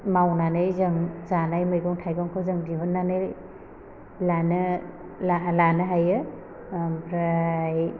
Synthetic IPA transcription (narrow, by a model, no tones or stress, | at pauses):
mawnanɯjzɯŋzanajmɯjɡɔŋtʰajɡɔŋkʰɯzɯŋdiɦunːanɯj | lanɯ | lalanɯɦajɯ | pʰɾaj